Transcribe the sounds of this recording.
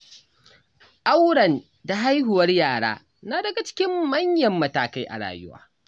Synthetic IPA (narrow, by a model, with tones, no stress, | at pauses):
ʔa˦wɽɐ˨n | da˨ɦa˦jɦʊ˨wɐ˦rjaː˨ɽa̰ː˦ | na˦dɐ˨ɡa˨t͡ʃɪ̥˦kʲɪ˦mːɐ˦ɲjɐ˨mːɐ˨taː˨ka˦jʔa̰˨ɽa̰ː˨jʊ̰˦wa̰ː˦